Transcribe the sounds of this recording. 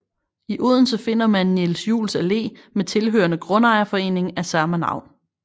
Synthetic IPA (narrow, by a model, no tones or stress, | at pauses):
iʔoð̞̰ˠn̩səfe̝n̰ɐmænːelsjṵːlsæle̝̰ːmet͡sʰe̝lɦø̰ːɐnəɡ̥ʁɔ̽nɑ̈ɪɐfɒ̽e̝̰ːne̝ŋæsæɐmænɑ̰̈ʊ̰n